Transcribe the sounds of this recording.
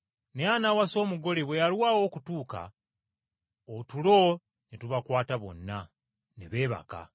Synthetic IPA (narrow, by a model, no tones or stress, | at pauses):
neanawaso̞ːmuɡo̞leβwe̞jalwaːwo̞kutuːka̰ | otulo̞ | nituβakwaːtaβo̞̰nːa | nḛβe̞ːβa̰ka̰